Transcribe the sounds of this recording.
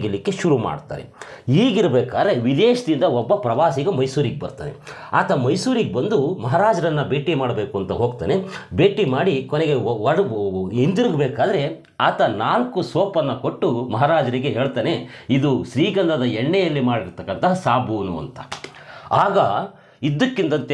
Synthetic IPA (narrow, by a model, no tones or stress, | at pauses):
ɡɐlikːeʃuɾuma̰ːɖt̪a̰ːɾeiːɡiɾɐbɛːkaːd̪ɐɾe̞ʋid̪eːʃɐd̪ind̪ɐɔbːɐpɾɐʋaːsiɡɐmɐjsuːɾiɡebɐ̰ɾt̪a̰ːneaːt̪ʰɐmɐjsuːɾiɡebɐnd̪umɐɦaɾaːd͡ʒɐɾɐnːɐbeːʈimaːɽɐbe̞ːkuɐnt̪ɐɦo̞ːɡt̪a̰ːne̞beːʈimaːɽikoneɡe̞ɐind̪iɾuɡbeːkaːd̪ɐɾe̞ | aːt̪ɐnaːlkusɔːpɐnːɐkoʈːumɐɦaɾaːd͡ʒɐɾiɡe̞ɦeːɭt̪aːne̞id̪uʃɾiːɡɐnd̪ɐd̪ɐɛɳːɛjɐlːimaːɽiɾt̪ɐkːɐnt̪ɐɦɐsaːbuːnuɐ̰nt̪ɐ̥ | aːɡɐ | id̪ːɐkːint̪ɐnt̪